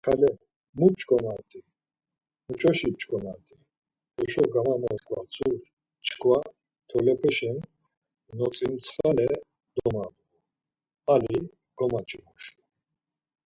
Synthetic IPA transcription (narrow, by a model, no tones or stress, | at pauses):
kʰalɛ | mupt͡ʃʼkʼɔmat̪ʼi | mut͡ʃʰʼɔʃip̚t͡ʃʼɡɔma̰t̪ʼi | ɔʃɔɡamamɔɾkʼva̰t͡sʰuɾ | t͡ʃʼkʰva | t̪ʰɔlɛpʰɛʃɛn | nɔt͡sʼimt͡sʰχalɛ | d̪̥ɔmab | u | ali | ɡ̥ɔmat͡ʃʼɛmɔʃʼu